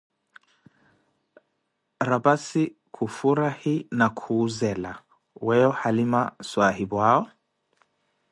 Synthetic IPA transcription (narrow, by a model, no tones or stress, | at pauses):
ɾabasikʰufuɾahinakʰuːzɛla | wɛɔhalimaswahiβwaɔ